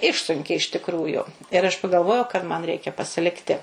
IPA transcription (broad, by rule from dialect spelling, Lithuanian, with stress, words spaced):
ˈɪʃsʊŋʲkʲeː ɪʃ tʲɪkˈruːjʊ ɪr ɐʃ pɐɡɐlˠˈʋoːjɛʊ kɐt mɐn ˈrʲɛɪkʲɛ pɐsʲɪˈlʲɪktʲɪ